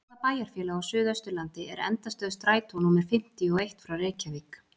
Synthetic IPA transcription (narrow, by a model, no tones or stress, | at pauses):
apaːjaɾ̥fjɛːlaawsʏːðœst̪ʏlant̪ɪɛɾɛ̰nt̪ast̪œːðʏst̪ɾaːjt̪ʰownuːmɛɾ̥fɪm̥t̪iɔejht̪fɾawrɛːcavik